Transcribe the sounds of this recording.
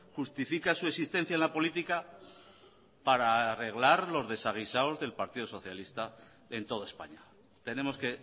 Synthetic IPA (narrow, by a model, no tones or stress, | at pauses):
xust̪ifikasue̞sist̪e̞n̟θjaenlapo̞lit̪ika | paɾare̞ɣlaɾlo̞zðe̞saɣ̞isaozðe̞lpaɾt̪iðoso̞θjalist̪a | e̞nt̪o̞ð̞oe̞spa̰ɲa | t̪e̞ne̞mo̞ske̞